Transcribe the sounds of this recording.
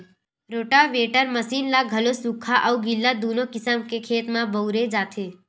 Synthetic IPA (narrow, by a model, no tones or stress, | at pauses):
ɾoːʈaʋeːʈəɾməsiːnlaɡʱɐlosukʰaʔɐuɡɪlːad̪oːnõkɪsəmkekʰeːt̪mãbəuɾed͡ʒaːt̪ʰeː